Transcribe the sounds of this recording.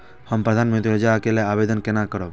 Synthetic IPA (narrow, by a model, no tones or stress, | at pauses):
həmpɾəd̪ʱaːnmə̃nt̪ɾiəd͡ʒakeleaːʋed̪ənkenakəɾob